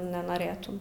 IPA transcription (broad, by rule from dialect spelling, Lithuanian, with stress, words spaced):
nʲɛnoːˈrʲeːtʊm